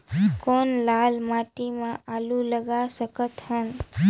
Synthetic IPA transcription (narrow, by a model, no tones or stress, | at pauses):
konlalmaʈimãʔaluləɡasəkət̪ɦən